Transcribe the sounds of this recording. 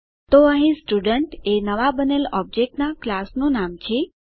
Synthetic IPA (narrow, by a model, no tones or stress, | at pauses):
t̪oəɦĩsʈuɖəɳʈenəʋabənelɔb̚d͡ʒek̚ʈnaklasnũnamt͡ʃʰe